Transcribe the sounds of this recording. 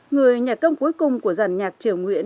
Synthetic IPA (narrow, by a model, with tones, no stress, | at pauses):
ŋɨ˨˩əjɲa˨˩kə˧wŋ͡mku˨˦əjkʊ˨˩ŋ͡mku˧˩əza˨˩ŋɲaː˨˩k̚t͡ɕɨ˧˩əŋŋwḭ˧˨ən